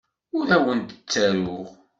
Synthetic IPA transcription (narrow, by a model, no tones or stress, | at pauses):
ʊðæwənt̪ə̥t͡sːæɾʊʁ